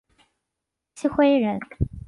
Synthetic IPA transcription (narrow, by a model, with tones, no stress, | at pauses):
t͡ɕʰi˥xwe˥ɪɻə˧˥n